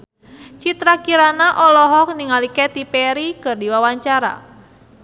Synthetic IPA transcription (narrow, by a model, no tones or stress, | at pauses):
t͡ʃit̪ɾakiɾanaʔɔlɔɦɔk̚niŋaliket̪ipɛɾikɨrdiwawaɲt͡ʃaɾa̰